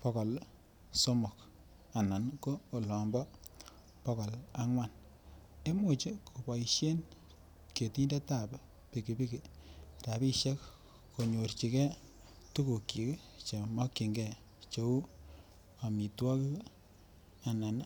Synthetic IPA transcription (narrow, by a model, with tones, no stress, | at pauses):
pɔ˦kɔ˨l | so˦mʊ˨k | a˨na˨nkoː˦˨lɔ˨mbɔ˦ | pɔ˦kɔ˨la˦ŋwa˦n | e˦mu˨t͡ʃi˦kʰo˨pa˨iʃe˦n | kje˨ti˦nde˦ta˦˨p | pi˨ki˨pi˦ki˨ta˨pi˦ʃe˦k | ko˨ɲo˨rt͡ʃi˨kɛ˦ | tu˦ku˨kːi˨k | t͡ʃe˨mɔ˦kːi˨ŋɡɛ˦ | t͡ʃo˨u˦ | a˨mi˨twɔ˦ki˦ | a˨na˨n